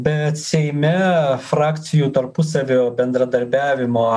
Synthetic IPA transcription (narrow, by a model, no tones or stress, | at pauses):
bʲɛt̪sʲɛɪmʲɛfɾɑːkʲt̪sʲɪjuːt̪ɐɾpʊsɐʋʲoːbʲɛnd̪ɾɐd̪ɐɾʲbʲæːʋʲɪmoː